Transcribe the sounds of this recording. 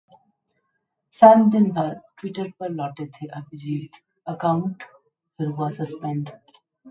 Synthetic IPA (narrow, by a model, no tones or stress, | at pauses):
saːt̪d̪ɪnbʱaːd̪ʈʋɪʈəɾpɐɾlɔːʈet̪ʰeʔabid͡ʒiːt̪ | əkaːʊ̃ɳʈ | fɪɾʋasəspɛ̃ɳɖ